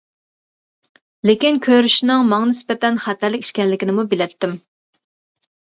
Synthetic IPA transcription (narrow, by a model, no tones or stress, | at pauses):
lekʲinkʲʰøɾyʃnɪŋmɑŋɑnɪspɛt̪ɛnχæt̪æɾlɪkʲi̥ʃkʲɛnlɪkʲinɪmubɪlɛp̚t̪ʰːɪm